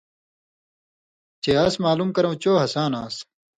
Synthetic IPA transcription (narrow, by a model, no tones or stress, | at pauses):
t͡ɕeɐsmaːluːmkɐɾɐ̃wt͡ɕoːɦɐsaːnãːs